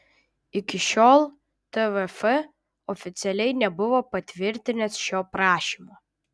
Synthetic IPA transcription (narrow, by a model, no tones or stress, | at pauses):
ɪkʲɪʃʲoːlˠ | t̪ɛʋɛfɛ | ɔfʲɪt̪sʲɛlʲɛɪnʲɛbʊʋoːpɐt̪ʲʋʲɪɾʲt̪ʲɪnʲɛsʃʲoːpɾɑːʃʲimoː